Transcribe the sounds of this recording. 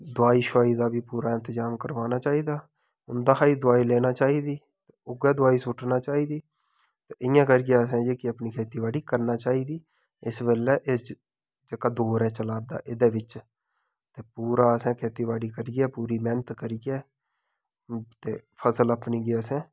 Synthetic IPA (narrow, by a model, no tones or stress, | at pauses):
d̪ʊaːiːʃaːiːd̪aːbiːpuːɾaːɪnt̪əzaːmkəɾʋaːnaːt͡ʃaːiːd̪aː | ʊnd̪aːkʰaːiːd̪ʊaːiːlɛːnaːt͡ʃaːiːd̪iː | t̪eʊɡɛːd̪ʊaːiːsʊʈʰnaːt͡ʃaːiːd̪iː | t̪eːʔɪjãːkəɾɡjaːsɛ̃ːd͡ʒeːkɪəpniːkʰeːt̪iːʋaːɽiːkəɾnaːt͡ʃaːiːd̪iː | ɪsbeːlɛːʔɪs | d͡ʒeːkaːd̪oːɾɛ̃ːt͡ʃəlaːɾd̪a̰ːʔɪd̪eːʋɪt͡ʃ | t̪eːpuːɾaːəsɛ̃ːkʰeːt̪iːʋaːɽiːkəɾɡɛːpuːɾiːmɛːnət̪kəɾiɡɛː | t̪ḛːpʰəsələpniːɡeːəsɛ̃ː